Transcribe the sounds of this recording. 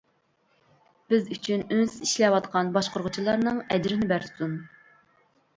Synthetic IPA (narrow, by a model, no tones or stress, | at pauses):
b̥ɪzyt͡ʃʰynønsɪziʃlɛwɑt̪qʰɑnbɑʃqʊɾʁʊt͡ʃʰilˠɑɾnɨŋɛd͡ʒɾɪnɪbæɾt̪ʰu̥t̪un